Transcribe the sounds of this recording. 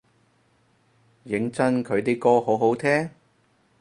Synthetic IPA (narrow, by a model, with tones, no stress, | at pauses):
jɪ˨˥ŋt͡sɐ˥nkʰɵ˨˧ɥt̪e˨˧jkɔː˧ho˨˥wɦo˨˥wt̪ʰɛː˥